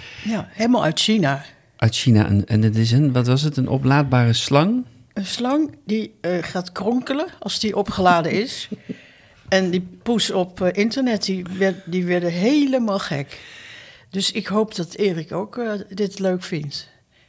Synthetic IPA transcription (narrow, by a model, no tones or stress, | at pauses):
jaɦejləmalˠœɥtʃina | ʔœɥtʃina̰ʔə̰nɛ̰nɪtɪsənʋɑtʋɑsətənʔɔ̰plaːd̚baːrəslɑŋ | ənslɑŋdiəχaːtkrɔŋkələɑlˠsdiʔɔpχəlaːdəɪs | ɛndipusɔpʔɪntəɹnɛt̚didiʋɛɹdəɦeləmaːlˠxɛ̰k | døsɪkɦowpdɑtɪːrɪkowkdɪtløɥkfɪnt